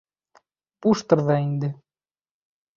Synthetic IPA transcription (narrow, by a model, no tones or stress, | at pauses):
puʃt̪ɤ̆rðɑind̪ɘ̆